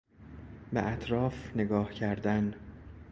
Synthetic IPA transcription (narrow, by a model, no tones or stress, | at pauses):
bḛʔæt̪ʰɾɒːfne̞ɡɒːhcʰæɾd̪æn